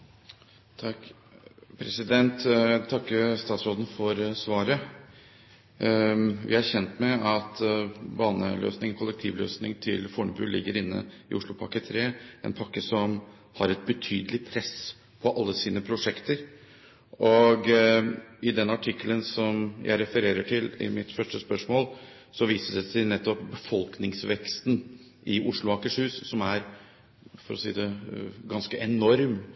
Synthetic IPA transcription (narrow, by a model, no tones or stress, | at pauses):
t̪ʰɑ | pʰɾɛsɪd̪ɛnt̪t̪ʰɑkːəst̪ɑːt̪sɾoːd̪n̩fɔɾsʋɑːɾə | ʋɪ̰hæɾçɛnt̪mɛɑt̪bɑːnə̰lʔø̰ːsnɪŋkʰʊlːɛk̚t̪ʰiːʋlø̰ːsnɪŋt̪ʰɪlfɔɳəbʉ̰ːlɪ̰ɡːəɾɪnːə̰ | ɪ̰ʊʂɭʊpʰɑkːət̪ʰɾeːɛ̰npʰɑkːəsɔm | hɑɾɛt̪̚bət̪ʰyːd̪əlɪpʰɾɛs | pʰɔʔɑlːəsiːnəpʰɾʊʂɛkt̪əɾ | ʔɔɡ | ɪd̪ɛnɑʈʰɪkːələnsɔmjʔæ̰ɪɾɛfəɾeːɾəʈʰɪlɪ̰mɪt̪fœʂʈəspœʂmoːl | sɔʋiːsədɛsɛɪnɛt̪ːɔp̚bəfɔlknɪŋsʋɛkst̪n | ʔɪʔʊʂɭʊɑːkəʂhʉːssɔmæɾ | fɔɾɔsḭːd̪ɛɡɑnskəʔɛnɔɾm